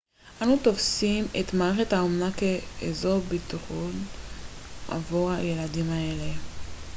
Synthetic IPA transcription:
ʔanut̪ofsimḛt̪maeχethaomnakeːzobit̪aχon | ʔa̰vuʁajeladimae̞le

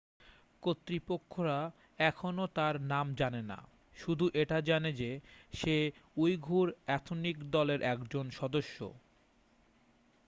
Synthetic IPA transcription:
kot̪ːɾipokʰːoɾa | ɛkʰonot̪aɾnamd͡ʑanena̰ | ʃud̪ʱuʔeʈad͡ʑaned͡ʑeʃeujɡʱuɾɛt̪ʰonikd̪ɔleɾʔɛkd͡ʑonʃɔd̪oʃːo̰

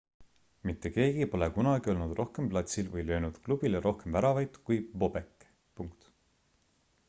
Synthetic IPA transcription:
mit̪ːe̞ke̞ːɡ̥ipo̞lekunɑɡio̞lnud̪rʔo̞hke̞mplɑt̪ʲsilvɤjlø̞ːnud̪̥klub̥ilɾʔo̞hke̞mvæɾɑvɑjd̪̥kujbo̞b̥ekːˑ | puŋkt̪

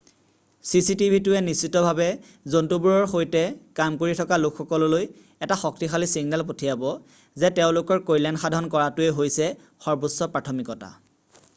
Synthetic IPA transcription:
sisitibʱitʊɛnisːitɔbʱabɛ | zontubuɹɔɹxojtɛkamkoɹitʰɔkalokʰxɔkɔlɔloj | ɛtaxɔk̚tixalisiɡnɛlp̬otʰijabɔ | zɛteʊ̃lʊkɔɹkojlanxadʱaɔnkɔɹatʊɛɦojsɛ | xɔɹbosːɔpɹatʰɔmikɔta̰

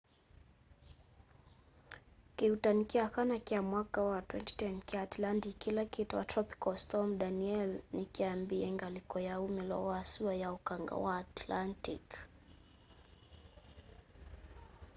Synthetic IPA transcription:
kiutanikiakanakiamwakawatwɛnti̥tɛnkatlandikilakituwa̰tɾɔpi̥kɔstɔmɗaniɛlnikiambiɛŋɡalikɔjaumilɔ̰aːsuajaukaŋɡa̰waːtlantḭk

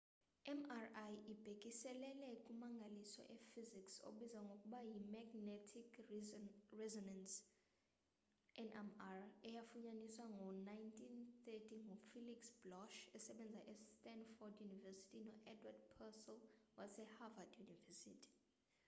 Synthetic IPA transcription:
ɛmarajib̥ʱekʼisɛlɛlɛkʼumaŋɡʱalisɔ̰ʔɛfizikso̰ɓizaŋɡʱokʼuɓajimaɡnetʰikʰ | rɛzɔnɛns | ɛnʔɛmarɛjafuɲaniswaŋɡʱɔnajntʼʰinθɛtʰiŋʱɔfiliksb̥lɔʃɛsɛɓɛnd͡zʱaʔɛstɛnfɔdjunivɛsi̥tʰʼinɔʔɛdwad̚pʰɛsɛlwasɛhavadjunivɛsḭtʰi̥

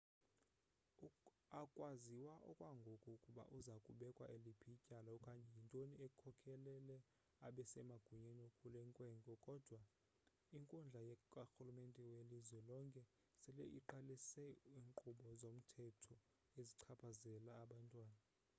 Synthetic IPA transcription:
akʼwaziwaʔɔ̰kʼwaŋɡʱokʼukʼuɓa̰ʔuzakʼuɓɛkʼwa̰ʔelipʰicʼalaɔkʼaɲɛjintʼoniekʰɔkʰɛlɛlɛ | aɓɛsɛmaɡ̥ʱuɲeniokʰʼulɛŋkʼwɛːŋkʼɔkʼɔd̥ʱwa | iŋkʼund͡ɮʱajɛkʼaxulumentʼɛwelizwɛlɔŋkʼɛ | sɛlɛʔḭǃalisɛiːŋǃuɓɔzom̩tʰɛtʰɔ | eziǀʰapʰazɛlaːɓantʼwaːna

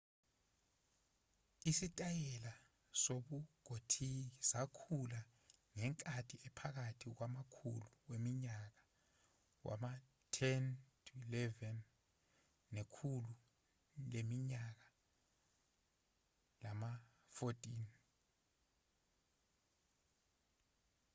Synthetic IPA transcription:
isitʼajɛla | soɓuɡ̥ʱotʰiisakʰula | ŋɛŋkʼatʰiɛpʰak̬atʰik̬wamakʰṵluwemiɲak̬ḁ | wʔa̰ma | tʰɛntʰuilɛvɛnː | ekʰulu | lemiɲak̬a | lama | fotʼin

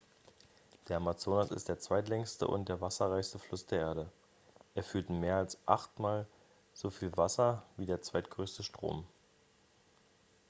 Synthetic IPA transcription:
d̥eːɐamat͡soːnasɪ̰std̥eːɐt͡sv̥aɪtlɛŋstə̰ʔʊ̰nt̚d̥eːɐvasɐʁaɪçstəflʊsd̥eːɐʔeːɐɾə | ʔeːɐfyːɐtmeːɐalsʔa̰χtmaːl | z̥ofiːlvasɐviːdeːɐt͡sv̥aɪtɡ̥ʁøːstəʃtʁ̥o̰ːm

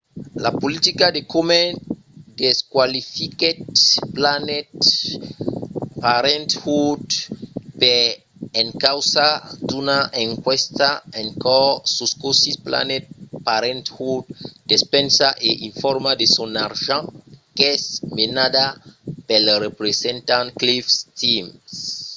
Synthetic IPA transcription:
lapolit̪ikad̪ekome | d̪̥eskwalifiket̪planet̪ | paɾẽnt̪hut̪pe | eŋkawsad̪unaʔẽŋkwɛst̪aɛ̃nkɔsuskosispla̰nɛt̪̚paɾɛ̃nt̪hud̪̚d̪espɛ̃nsaʔeʔĩnfɔɾmad̪esɔ̃naɾʒɑ̃kɛsmenadapɛlɾepɾesɛ̃nt̪ãnklifst̪ims

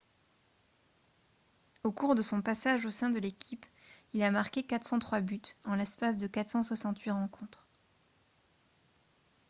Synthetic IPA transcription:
okuʁd̪əsɔ̃pasaʒosɛ̃d̪əlekʲʰipilamaʁkʲekat̪χsɑ̃t̪χwabyt̪ɑ̃lɛspas̬d̪əkat̪χsɑ̃swasɑ̃t̪ɥiʁɑ̃kʰɔ̃t̪χ

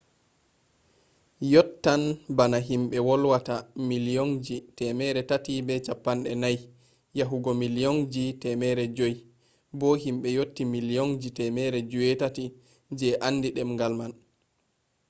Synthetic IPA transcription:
jɔtːanbanaɦimɓɛwɔlwatamiliond͡ʒitɛmɛɾɛtatibɛt͡ʃapːanɗɛnaj | jaɦuɡɔmiliond͡ʒitɛmɛːɾɛd͡ʒoj | bɔɦimɓɛjotːimilijond͡ʒitɛmɛɾɛd͡ʒuwɛtati | d͡ʒɛʔanːdiɗɛmŋɡalman

